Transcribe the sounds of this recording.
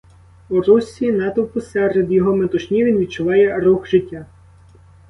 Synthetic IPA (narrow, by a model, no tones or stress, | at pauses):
urusʲinɑt̪ɔwpɔsɛred̪jɔɦɔmet̪ʊʃnʲiʋʲinʋʲid̪̚t͡ʃʊʋɑjɛɾuxʒɪtʲːa